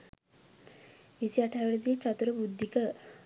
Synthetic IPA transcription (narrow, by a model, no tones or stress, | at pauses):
isiaʈʰaːʋəɾəd̪iət͡ʃat̪uɾəbud̪ʱːikə